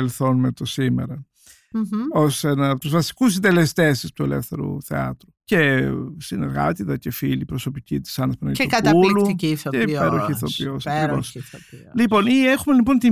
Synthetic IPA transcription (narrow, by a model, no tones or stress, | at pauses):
elθo̞numet̪o̞sime̞̰ɾɐ | osenɐpot̪uzvɐsi̥kus̬ind̪e̞lest̪e̞sist̪uelḛfθe̞ɾṵθḛɐ̰t̪ɾuce̞sine̞̰ɾɣɐ̰t̪it̪ɐce̞filipɾo̞so̞picit̪i̥sɐnɐspɐnɐeukɐt̪k̪ɐuluioepeɾoçiθo̞piosɐkkɾiɾvo̞̰slipo̞niexume̞lipo̞nt̪i